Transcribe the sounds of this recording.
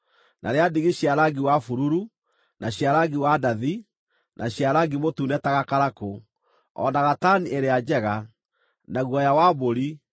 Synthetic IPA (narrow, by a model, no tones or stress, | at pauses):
nʔa̰ɾeadiɣeɕjaɾaɡiwafuɾuɾu | naɕjaɾaɡiwadaði | nʔaɕiaɾaɡimotunɛtaɣakaɾako | ɔ̰naɣataniʔeɾead͡ʑɛɣa | naɣwɔjawaboɾi